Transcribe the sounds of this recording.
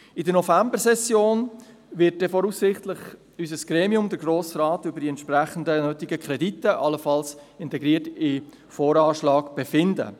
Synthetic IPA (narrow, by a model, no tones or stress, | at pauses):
ɪdənɔfæmbəsɛsjoːn | ʋɪt̚d̥ɛfɔɾusːɪχtlɪχ | ysəsɡ̥ɾeːmiʊmd̪əɾɡɾoːsrɑːtʏbəɾdiɛnt̪ʃpɾæχən̩dənøːtɪɡəkʰχɾɛditːəʔɑləfɑlsɪntɛɡɾiːətɪ | foːɾɑːʃlɑːɡb̥ɛfɪndə̰